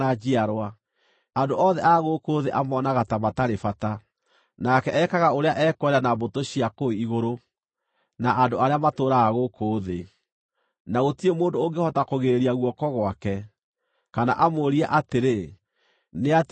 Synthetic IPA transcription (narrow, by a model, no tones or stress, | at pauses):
ad͡ʑiaɾwa | andoɔðɛʔaɣokoːðeʔamɔnaɣatamataɾefata | nakɛɛkaɣaoɾeaʔɛkwɛɾanabotoɕiakoiɣoɾo | naʔandoaɾeamatoːɾaːɣokʰoːðe | naɣotiemoːndoːŋɡehɔtakoɣeɾeɾiaɣwɔkɔɣwakɛ | kana̰ʔamwoːɾiaʔateɾe | neat